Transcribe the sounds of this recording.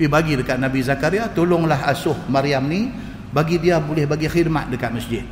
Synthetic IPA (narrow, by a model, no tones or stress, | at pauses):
pibaɡidəkat̪̚nabizakaɾiat̪olʊŋlaɦasʊhmaɾiamni | baɡidiabulɪhbaɡixid̪̚ma̰t̪̚dəkat̪̚məsd͡ʒɪd̪̚